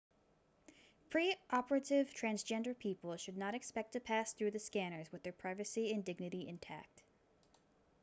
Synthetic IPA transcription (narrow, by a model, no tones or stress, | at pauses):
pʰɹ̥iʔɑpə˞ɨɾɪv̥tʰɹ̥æ̃nzd͡ʒɛ̃ndə˞pʰipl̩ˠʃɨdⁿnəɾɨkspɛk̚tʰɨpʰæsθɹʉðɨskæñə˞zwəðə˞pʰɹ̥aɪvɨsiɨ̃ndɪɡ̚nɨɾiʔɨ̃ntʰæ̰k̚t